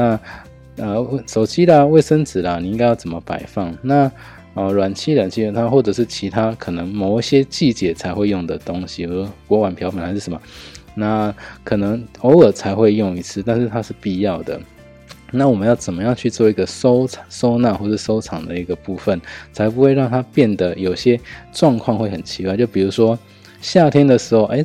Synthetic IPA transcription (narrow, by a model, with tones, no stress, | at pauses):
na˥˧ | ə˧ʂo˨˩ʊt͡ɕi˥lə˨we˥˩ɪʂə˥nt͡sɹ̩˨˩lə˨ni˨˩i˧˦ŋɡa˥ɪjɑ˥˩t͡sə˨˩mə˦pa̰˨˩ɪfɑ˥˩ŋna˥˨˩ | lwa˨˩nt͡ɕʰi˥lə˨˩nt͡ɕʰi˧˥ə˨˩nt̪ʰa˥xwɔ˥˩ʈ͡ʂɤ˨˩ʂ̬ɻ̩˥˩t͡ɕʰi˧˥t̪ʰa˥kʰɤ˨˩nə˧˦ŋmo˨˩ʊiɕjɛ˦˥t͡ɕi˥˩t͡ɕjɛ˨˩˦t͡sʰa˧˥ɪxwe˥˧ɪjɔ˥˩ŋd̪ə˩t̪o˦˥ŋɕi˨˧˩kwɔ˧˥wa˨˦npʰjɑ˧˥ʊfa˨˩nxa˧˦ʂ̩˥˩ʂə˧˦mɐ˨˩na˥˩kʰɤ˨˩nə˧˥ŋo˧˥ʊə˨˩t͡sʰa˧˥ɪxwe˥˧ɪjʊ˥˧ŋi˧˥t͡sʰɹ̩˥˧t̪a˥˧nʂ̩˥˧t̪ʰa˥ʂɻ̩˥˧pi˥˧jɑ˥˩ʊd̪ə̰˩ | na˥˩wɔ˨˩mə˦jɑ˥˩ʊt͡sə˨˩nmə˦jɑ˥˧ŋt͡ɕʰy˥˧t͡swɔ˥˩i˧˥ɡə˨so˥ʊ˨˩so˥ʊna˥˧xwɔ˥˧˩ə˩ʂɻ̩˥˩so˥ʊʈ͡ʂʰɑ˨˩ŋd̪ə˦i˧˥ɡə˧pu˥˧fə˥˩nt͡sʰa˧˥ɪpu˦˥xwe˥˧ɪɻɑ˥˩ŋt̪ʰa˥pjɛ˥˩nd̪ə˩jo˨˩ʊɕjɛ˦˥ʈ͡ʂwɑ˥˧ŋkʰwɑ˥˧ŋxwe˥˩ɪxə˨˩nt͡ɕʰi˧˥kwa˥˧ɪt͡ɕjo˥˩ʊpi˨˩ɻu˧˥ʂwɔ˦ | ɕja˥˧t̪ʰjɛ˥nd̪ə˨ʂɻ̩˧˥xo˥˧ʊʔe˥˩ɪ